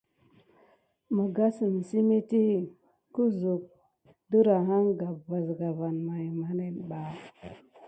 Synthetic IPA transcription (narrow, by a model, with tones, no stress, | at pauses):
mə˨ɡa˦sə˨n˨si˦me˦ti˦ | ku˦zu˨k̚ | du˦ɾa˨ɦa˦ŋɡa˨bva˨zɡa˨va˨nma˨jma˨˦ne˨n˨ɓa˨